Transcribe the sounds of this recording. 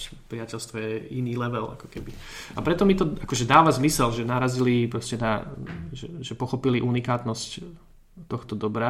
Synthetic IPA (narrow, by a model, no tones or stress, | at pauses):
t͡ʃpɾiacɛlst̪ʋɔjɛiniːlɛʋɛla̰kɔ̥kɛbi | apɾɛt̪ɔmit̪ɔakɔʒɛd̪aːʋazmisɛlʒɛnaɾazilipɾɔscɛnaʒɛʒɛpɔxɔpiliʔunikaːt̪nɔsc | t̪ːɔxt̪ɔd̪ɔbɾa